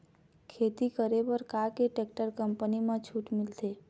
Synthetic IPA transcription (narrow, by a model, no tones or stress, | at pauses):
kʰeːt̪ikəɾebəɾkakeʈeːk̚ʈəɾkə̃mpənimãt͡ʃʰuːʈmɪlt̪eː